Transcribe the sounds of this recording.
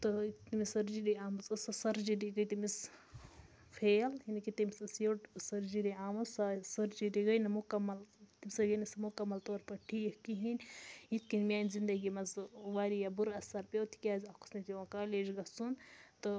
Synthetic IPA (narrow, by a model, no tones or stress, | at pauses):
t̪ɨt̪imisɐɾd͡ʒiɾiaːmɐzɐsɐsɐɾd͡ʒidiɡɐjt̪imis | fʰeːlhinikit̪ɐmisɐsjoʈsɐɾd͡ʒiɾiaːmɐzasɐɾd͡ʒiɾiɡɐjnɐmukɐmːɐlt̪imisɐɡɐnɐsɐmukɐmːɐlt̪oːɾpɐʈʰijhkiɦinʲit̪̚ʰkinmʲaːnzind̪ɐɡimɐzʋaːɾijabuɾɐsɐɾpewt̪ʰi̥kʲaːzʲɐku̥snɐt̪iʋakaːleːd͡ʒɡɐsunt̪ɨ